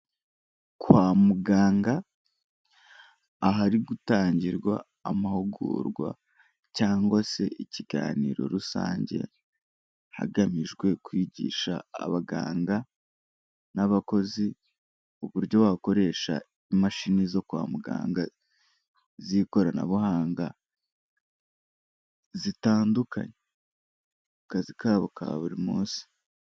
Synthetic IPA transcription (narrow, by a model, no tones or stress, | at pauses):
kwamuɡaːŋɡa | ɦaɾiɡutaːɲɟiɾɡwa̰ː | mahuɡṵːɾɡwa̰ | caːŋɡwase̞ʔiciɡa̰ːniːɾo̞̰ɾusa̰ːɲɟe̞̰ | ha̰ɡamiʒɡwe̞kwiɟḭːʃa̰ːβaɡa̰ːŋɡa | naβako̞zi | uβuɾɟo̞wako̞ɾe̞ːʃa̰ | imaʃinizo̞kwa̰ːmuɡa̰ːŋɡa | ziko̞ɾana̰βuhaːŋɡa | zitaːnduka̰ɲe | kazikaːβoka̰βuɾimuːnsi̥